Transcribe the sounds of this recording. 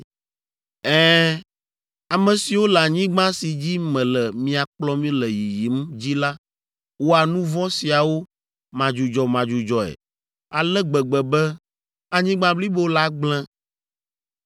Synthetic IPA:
ɛː˦ | a˨mɛ̃˨si˨wo˦la˨ɲĩ˦ɡ͡bã˦si˨d͡ʑi˦mɛ̃˨lɛ˨mĩ˦a˨k͡plɔ˦mĩ˦lɛ˨ji˨ji˨˦md͡ʑi˦la˦ | wo˦a˨nũ˦vɔ̃˦si˨a˨wo˦ | mã˨d͡ʒu˨d͡ʒɔ˨mã˨d͡ʒu˨d͡ʒɔ˨ɛ̰˨ | a˨lɛ˦ɡ͡bɛ˨ɡ͡bɛ˨bɛ˦ | a˨ɲĩ˦ɡ͡bã˦bli˦bo˦la˦ɡ͡blɛ̃˦

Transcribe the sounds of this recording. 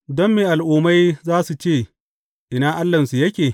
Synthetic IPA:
dɔ˦mːeː˨ʔa˨lʔuː˦ma˦jzaː˦su˨t͡ʃeː˦˨ | ʔɪ˨naː˦ʔa˦lːɐ˨nsu˨jɐ˦kʲeː˨

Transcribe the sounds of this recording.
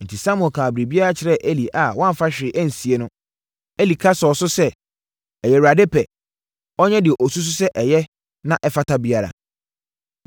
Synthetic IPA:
n̩˨tʰi˨sa˦mʊ̃˨ɛ̃˨kʰaː˨bɾi˨bi˦a˦ɾa˦t͡ɕʰɪ˨ɾɛ˦ʔe˦li˨ʔa˨wã˦m˨fa˦ɕᶣɪ˨ɪ˨ʔæ̃˦n̩˨si˨e˨˦nʊ̃˦ | e˦li˨kʰa˦sɔ˨sʊ˦sɛ˦ | ɛ˨jɛ˨wa˨de˦pʰɛ˨ | ɔ˦ɲɛ̃˦dɪ˨ɛ˨ʔɔ˨su˦s̬ʊ˦sɛ˦ʔɛ˨jɛ˦ | nã˦ʔɛ˦fa˦tʰa˦bi˦a˦ɾa̰˨

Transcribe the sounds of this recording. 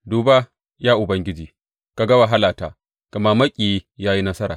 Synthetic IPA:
duː˨baː˦ | jaː˦ʔʊ˨bɐ˦ŋɡʲɪ˦d͡ʒiː˨ | ka˨ɡɐ˦wa˨ɦa˦laː˨taː˨ | kɐ˨ma˦mɐ˦kʲʼiː˨˦jaː˦ji˦nɐ˦sɐ˦ɾa̰ː˨

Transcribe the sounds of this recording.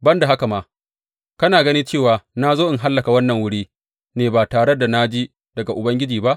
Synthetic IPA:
bɐ˦nda˨ɦa˦ka˨maː˦ | kɐ˦naː˨ɡɐ˦ni˦t͡ʃeː˦˨waː˨na˦zoː˦ʔɪ˨ŋɦa˦lːɐ˨ka˨wɐ˦nːɐ˨ŋwʊ˦ɽiː˦ | neː˨baː˨taː˨ɽe˦da˨na˦d͡ʒi˦ | dɐ˨ɡa˨ʔʊ˨bɐ˦ŋɡʲɪ˦d͡ʒiː˨ba˦ʔ

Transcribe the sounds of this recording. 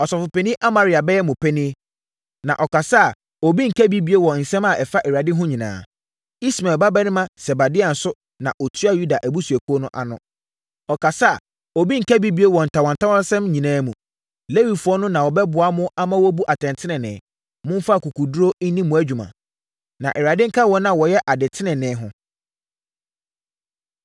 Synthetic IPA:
ɔ˨sɔ˨fʊ˨pɛ˨nĩ˦ʔa˦mã˨ɾi˨a˨bɛ˦jɛ˦mʊ̃˨pʰɛ˦nĩ˦e˦ | nã̰˨ʔɔ˨ka˨sa˦a˨ | o˨bi˦ŋ̩˨kʰæ˦bi˦bi˦e˦wɔ˨n̩˨sɛ̃˦ma˨ʔɛ˨fa˦ʔɛ˨ɥa˨dɪ˦ɦʊ̃˦ɲĩ˨nã̰ː˨ | i˦sma˨ba˦bɛ˦nɪ̃˦mã˦sɛ˨ba˨dɪ˦a˨n̩˨sʊ˦ | nã̰˨ʔɔ˨tʰɥa˦ju˦da˨ʔæ˨bu˦su˨æ˨kʰo˦nʊ̃˦ʔa̰˨nʊ̰̃˦ | ɔ˨kʰa˨sa˦a˨ | ɔ˨bi˦ŋ̩˨kʰæ˦bi˦bi˦e˦wɔ˨n̩˨tʰa˨wɔ̃˨n̩tʰa˦wɔ˦sɛ̃˦mɲĩ˨nãː˦mũ˨ | le˦wi˨fʊ˨˦ɔ˦nʊ̃˦nã˨wɔ˨bɛ˦bʊ˨a˦mʊ̃˦a˦mã˦wɔ˦bu˦ʔa˨tʰɛ̃˨ntʰɪ˦nɪ̃˨nɪ̰̃˨ | mʊ̃˦m˦fa˦˨ku˨kʰu˨du˦ɾo˦n̩˦nĩ˦mʊ̃˨æ˦d͡ʑᶣu˨mã̰˨ | nã˨ʔɛ˨ɾa˨dɪ̃˦ŋ̩˦kʰa˦wɔ˦nã˨wɔ˨jɛ˦ʔa˨dɪ˨tʰɪ˦nɪ̃˨nɪ̃ː˨˦ɦʊ̃˦

